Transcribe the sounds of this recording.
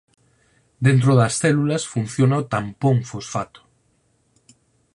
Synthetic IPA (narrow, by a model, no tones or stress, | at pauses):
d̪ent̪̬ɾoðasθɛlulasfun̟θjonaot̪ampoŋfusfat̪o̥